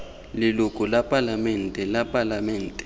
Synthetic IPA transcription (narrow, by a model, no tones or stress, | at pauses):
lilukʼulapʼalamɛntʼɛlapʼalamɛːntʼɛ̥